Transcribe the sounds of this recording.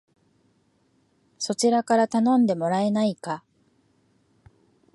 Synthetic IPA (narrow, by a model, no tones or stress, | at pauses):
so̞t͡ɕiɾakaɾat̪anõ̞nd̪e̞mo̞ɾae̞naika